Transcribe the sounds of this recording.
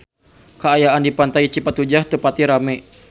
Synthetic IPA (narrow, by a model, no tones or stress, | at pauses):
kəajaʔandipant̪ait͡ʃipat̪ud͡ʒaht̪əpat̪iɾamɛ